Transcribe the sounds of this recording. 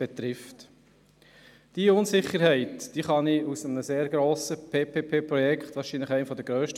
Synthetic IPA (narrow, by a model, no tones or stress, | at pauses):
b̥ɛt̪ɾɪft̪ | d̥iəʊnsɪχːəɾhɛɪtd̥iːχɑniusəmənəseːɾɡɾoːsəpʰeːpʰeːpʰeːpɾɔjɛkχt̪ʋɑːɾʃiːnləχæɪnfɔd̪əɡ̥ɾœːʃtə